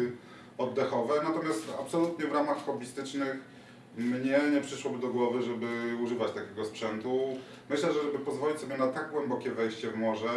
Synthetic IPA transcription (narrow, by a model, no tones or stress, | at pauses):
ɔd̪ːɛxɔvɛnat̪ɔmʲjast̪a̰psɔlut̪ɲɛvɾamaxːɔbʲist̪ɘt͡ʂnɘx | mɲɛɲɛpʂɘʂwɔbɘd̪ɔɡwɔvɘʐɛbɘuʐɘvat͡ɕt̪akʲeɡɔspʂɛnt̪u | mɘɕlɛʐɛʐɛbɘpɔzvɔlʲit͡ɕʲsɔbʲjɛnat̪aɡɡwɛmbɔkʲɛvɛjɕt͡ɕɛvmɔʐɛ